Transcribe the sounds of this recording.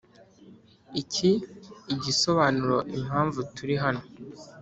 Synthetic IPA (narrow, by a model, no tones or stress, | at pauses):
icʰiːɟiso̞βaːnuɾo̞ʔim̥haːɱvutuɾiɦano̞